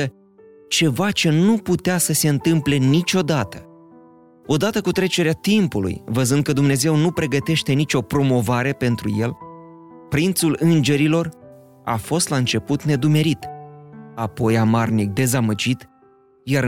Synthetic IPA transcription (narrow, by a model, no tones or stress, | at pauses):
ə | t͡ʃe̞vat͡ʃe̞nuput̪easəse̞ɨnt̪ɨmple̞nit͡ʃʲo̞d̪at̪ə̥ | o̞d̪at̪əkut̪ɾe̞t͡ʃe̞ɾeat̪impulṵjvəzɨnd̪̚kəd̪umne̞ze̞wnupɾe̞ɡət̪e̞ʃt̪e̞nit͡ʃʲo̞pɾo̞mo̞vaɾe̞pe̞nt̪ɾṵje̞l | pɾint̪sulɨnd͡ʒe̞ɾilo̞r | a̰fo̞st̪laɨnt͡ʃe̞put̪ne̞d̪ume̞ɾit̪ | apo̞jamarnik̚d̪e̞zaməd͡ʒit̪ | jaɾ